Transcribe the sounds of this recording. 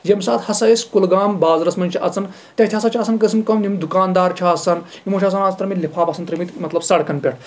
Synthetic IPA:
jemsaːt̪hɐsɐesʲkulɡaːmbaːzɾɐsmɐnʲt͡ʃʰiʔɐt͡sɐn | t̪ʲɐt̪ʲʰɦɐsɐt͡ʃʰaːsɐnkəsimkɐmnʲimd̪ukaːnd̪aːɾt͡ʃʰaːsɐn | imot͡ʃʰʲɐsɐnaːt͡st̪ɾɐmʲit̪lʲipʰaːpɐsɐnt̪ɾɐmit̪ʲmɐt̪lɐbsɐɽkɐnpʲɐʈ̚ʰ

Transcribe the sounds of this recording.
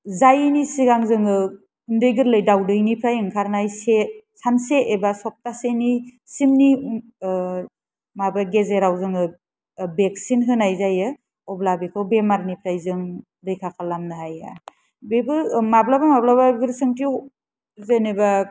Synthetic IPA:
zajɯnisiɡaŋzɯŋɯ | undɯjɡɯɾlɯjdawdɯjnipʰɾajɯŋkʰaɾnajsesanseʔːbasɔp̚taseni | simni | mabaɡezeɾawzɯŋɯ | bek̚sinɦɯnajzajɯ | ɔblabekʰɯwbemaɾnipʰɾajzɯŋ | dɯjkʰakʰalamnɯɦaja̰ | bebɯmablabamablabaɡɯɾsɯŋtʰi | zeneba

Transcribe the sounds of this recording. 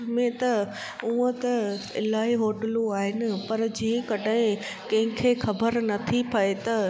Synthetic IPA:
mẽt̪ɐ | uːə̃t̪ɐɪ̰laːiɦoːʈəluaːɦɪnɪ̆pɐɾd͡ʑĩɪ̃kɐɖaɪ̃ | kɐ̃ɦɪ̃kʰeːxɐbəɾnɐt̪ʰipɐet̪ɐ

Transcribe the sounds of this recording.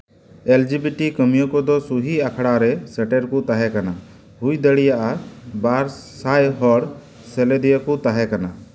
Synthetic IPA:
eld͡ʒibiʈikəmijɔkɔd̪ɔsuɦiakʰɽaɾɛsɛʈɛɾkut̪aɦɛkana | ɦujd̪əɽijaʔabaɾsajɦɔɽ | sɛlɛd̪ijakut̪aɦɛkana

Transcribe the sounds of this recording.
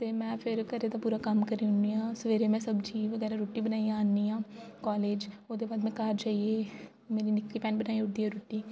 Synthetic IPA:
t̪eːmɛ̃ːpʰɪɾkəɾeːt̪ãːpuːɾaːkəmkəɾiːʊniːãːsəʋeːɾeːmɛ̃ːsəbd͡ʒiːʋəɡɛːɾaːɾoːʈiːbənaːijãːnːiːãːkɔːleːd͡ʒoːd̪eːbaːd̪mɛ̃ːkaɾd͡ʒaːieː | meːɾiːnɪkːiːpɛːnbənaːiːʊʈd̪iːɛːɾoːʈːiː

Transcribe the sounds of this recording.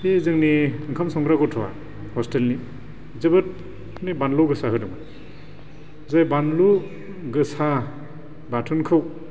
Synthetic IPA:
ezɯŋniɯŋkʰamsɔŋɡɾaɡɔtʰɔwa̰ | hɔstelni | zɐbɯt̚ | nibanlɔwɡɯsaɦɯdɯŋma | zajbanlu | ɡɯsa | batʰunkʰɯw

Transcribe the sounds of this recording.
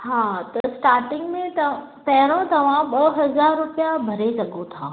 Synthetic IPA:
ɦaːt̪ɐsʈaːɾʈɪ̃ŋɡmẽt̪ɐ | pɐɦɾõt̪ɐʋ̤ãɓɐɦɐzaːɾːʊpijabʱɐɾesɐɠot̪ʰaː

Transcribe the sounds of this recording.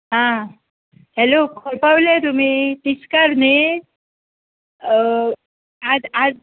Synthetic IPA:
ɦã | hɛlokʰoɾpawlet̪um̤it̪iskaɾne | adad͡z

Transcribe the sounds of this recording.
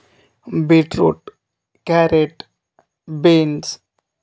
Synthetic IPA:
beʈɾo̰ʈ | kɛɾeʈ | bens

